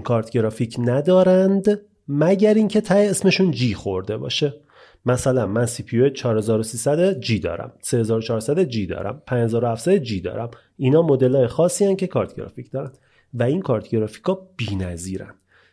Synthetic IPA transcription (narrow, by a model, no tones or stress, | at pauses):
kʰɒːɾt̪ʰɟeɾɒːficʰnæd̪ɒːɾænd̪ | mæɟæɾiŋcʰe̞t̪ʰæjeesme̞ʃund͡ʒiːxo̞ɾd̪e̞bɒ̰ːʃe̞ | mæsælænmænsipʰioet͡ʃʰɒːɾhe̞zɒːɾosiːsæd̪ed͡ʒiːd̪ɒ̰ːɾæ̰msehezɒːɾot͡ʃʰɒːɾsæd̪ed͡ʒiːd̪ɒ̰ːɾæ̰mpʰænhe̞zɒːɾohæfsæd̪ed͡ʒiːd̪ɒ̰ːɾæ̰m | iːnɒːmo̞d̪e̞lɒːjexɒːsːiːæncʰe̞kʰɒːɾt̪ʰɟeɾɒ̰ficʰd̪ɒːɾænd̪ | væinkʰɒːɾt̪ʰɟeɾɒfi̥kʰɒːb̥iːnæziːɾæ̰nd̪̥